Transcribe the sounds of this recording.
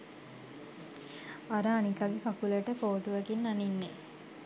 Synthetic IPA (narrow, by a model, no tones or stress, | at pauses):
aɾaːnikaɡekakuləʈəkoːʈuʋækinːaninːe